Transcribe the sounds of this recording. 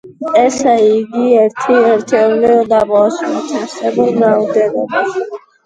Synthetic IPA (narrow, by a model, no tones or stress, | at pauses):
ɛsaiɡiɛɾt̪ʰiɛɾt̪ʰɛɾlɛɔd̪abɔst̪ʰisɛbɔɡɾawd̪ɛlɔba